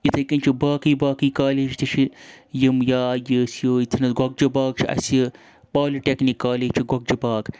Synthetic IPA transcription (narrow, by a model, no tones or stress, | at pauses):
jit̪ʰɐjkɐnʲt͡ʃʰibaːkiːbaːkiːkaːleːd͡ʒt̪it͡ʃʰijimjaːjəsjoːit̪ʰɐnɐsɡʷɐk̚d͡ʒɐbaːkt͡ʃʰiʔɐ̰sjə | paːliʈʲeknikːaːleːt͡ʃʰiɡɐk̚d͡ʒɐbaːk